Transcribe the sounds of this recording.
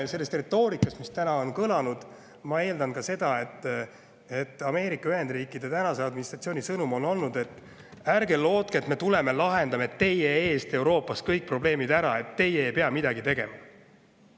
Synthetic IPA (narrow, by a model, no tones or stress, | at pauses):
se̞lːest̪ret̪ːˑo̞ːɾikːˑɑst̪mist̪ænɑo̞nkɤlɑnud̪̥ | mɑe̞ːld̪ɑnkɑse̞d̪̥ɑe̞t̪ˑː | et̪ːˑɑme̞ːɾikːˑɑyhe̞nd̪riːkːˑid̪̥e̞t̪ænɑseɑd̪minist̪rɑt̪sio̞ːnʲisɤnumo̞no̞lnud̪e̞t̪ːˑ | ærɡe̞lːo̞ːt̪̚keːt̪me̞t̪ule̞me̞lɑɦe̞nd̪ɑmet̪ːe̞jee̞ːst̪e̞wɾo̞ːpːˑɑskɤjk̚pro̞ble̞ːmid̪æɾɑ̰e̞t̪ːe̞jeejpe̞ɑmid̪̥ɑɡit̪e̞ɡ̥e̞̰mɑ